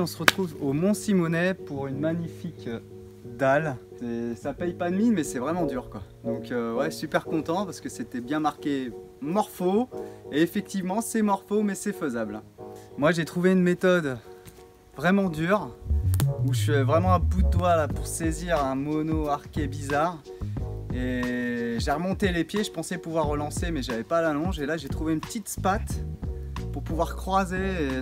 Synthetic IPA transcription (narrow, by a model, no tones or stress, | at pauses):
ɔ̃səʁət̪χuvomɔ̃simɔnɛpuʁynmaɲifik | d̪alsɛsapɛjpad̪minmɛsɛvʁɛmɑ̃d̪yʁkwad̪ɔ̃køwɛsypɛʁkɔ̃t̪ɑ̃paʁsə̥kəset̪ɛbjɛ̃maʁkʲe | mɔʁfoeːfɛk̚t̪ivmɑ̃sɛmɔʁfomɛsɛføzablɛ̃ | mwaʒet̪χuveynmet̪ɔd̪ | vʁɛmɑ̃d̪yʁ | uʃɛvʁɛmɑ̃ɛ̃bud̪əd̪walapuʁseziʁɛ̃mɔnoaʁkʲebizaʁ | e | ʒeʁəmɔ̃t̪elepjeʒəpɑ̃sɛpuvwaʁːəlɑ̃semɛʒavɛpalalɔ̃ʒelaʒet̪χuveynpət̪it̪spat̪ | puʁpuvwaʁkχwazee